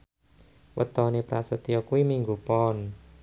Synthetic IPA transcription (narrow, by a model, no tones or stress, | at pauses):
wə̰t̪ɔnepɾasət̪ijɔkuwimiŋɡupɔn